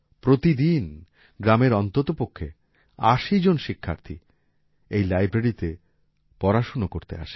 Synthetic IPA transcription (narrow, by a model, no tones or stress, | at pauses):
pɾot̪id̪in | ɡɾameɾɔnt̪ot̪opokʰːe | aʃid͡ʑonʃikʰːa̰ɾt̪ʰḭ | ejlajbɾeɽit̪e | pɔɾaʃonokoɾt̪ḛa̰ʃe̥